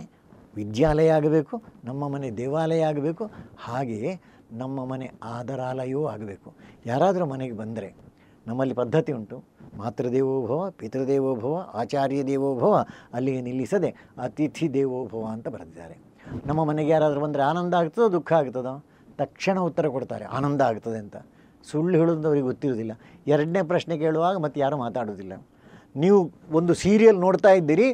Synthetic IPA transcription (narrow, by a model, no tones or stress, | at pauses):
ʋid̪jaːlɐjɐaːɡɐbe̞ːkunɐmːɐmɐned̪ɛːʋaːlɐjɐaːɡɐbe̞ːkuhaːɡeje | nɐmːɐmɐne̞aːd̪ɐɾaːlɐjoːaːɡɐbe̞ːkujaːɾaːd̪ɐɾumɐneɡebɐnd̪ɐɾe̞ | nɐmːɐlːipɐd̪ʱːɐt̪iuɳʈumaːt̪ɾɐd̪eːʋoːbʱɐʋɐpit̪ɾɐd̪ɛːʋoːbʱɐʋɐʔaːt͡ʃaːɾjɐd̪ɛːʋoːbʱɐʋɐɐlːiɡenilːisɐd̪e̞ɐt̪it̪ʰid̪eːʋoːbʱɐʋɐːnt̪ɐbɐɾɐd̪id̪a̰ːɾe | nɐmːɐmɐneɡejaːɾaːd̪ɐɾebɐnd̪ɐɾeaːnɐnd̪ɐaːɡut̪ːɐd̪ed̪ukʰːɐaːɡut̪ːɐd̪oː | t̪ɐkʂɐɳɐut̪ːɐɾɐkoɽt̪a̰ːɾe̞̰a̰ːnɐnd̪ɐaːɡut̪ːɐd̪eɐnt̪ɐ | suɭːiɦɐɭud̪ɐnɐʋɐɾiɡeut̪ːiɾoːd̪ilːɐ | ɛɾɐɖne̞ːpɾɐʃnek̬e̞ːɭuʋaːɡɐmɐt̪ːujaːɾumaːt̪aːɽoːd̪ilːɐ̰ | niːʋuond̪usiːɾijɐlnoːɽt̪aːjid̪ːiːɾi